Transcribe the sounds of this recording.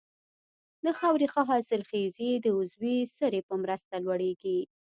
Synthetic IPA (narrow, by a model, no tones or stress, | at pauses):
d̪əxawɾixaɦɑsɪlxezid̪əʊzwisəɾepəmɾəst̪alwaɽeɡi